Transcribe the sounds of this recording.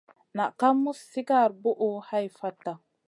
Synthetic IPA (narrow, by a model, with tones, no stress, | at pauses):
na˨ʔka˦mːu˦sːi˦ka˦˨ɾbo˦ʔo˦ha˦jfa˦tːa˨